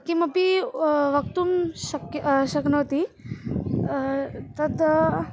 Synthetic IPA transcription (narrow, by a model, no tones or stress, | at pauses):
kiməpiʋək̚t̪uːmɕəkɕəknɐt̪i | t̪əd̪